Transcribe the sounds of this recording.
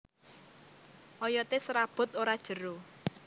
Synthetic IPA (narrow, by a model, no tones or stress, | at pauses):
ʔɔjɔt̪esɾab̥ʊ̤t̪̚oɾad̥ʒ̥ə̤ɾo